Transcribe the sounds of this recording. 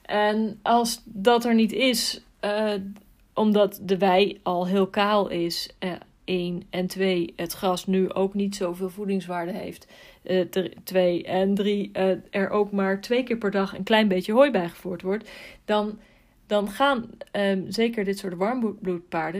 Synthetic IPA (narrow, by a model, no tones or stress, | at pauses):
ʔɛnɑlˠsdɑtɛɹnitɪs | ʔɔmdɑtdəʋɛjɑlˠɦɪːlˠkaːlˠɪs | ejnɛntʋejɦətχrɑsnyʔo̰wknitsowvɪːlˠvudɪŋsʋaːɹdəɦḛjft | tʋejɛndriɛɹʔowkmaːɹtʋejkɪːɹpɛɹdɑχə̰nklɛjnbejjəɦojbɛjχə̥v̥uːɹtʋɔɹtdɑn | dɑnχaːn | zejkəɹdɪtsʊːɹtʋɑɹmblut̚paːɹdə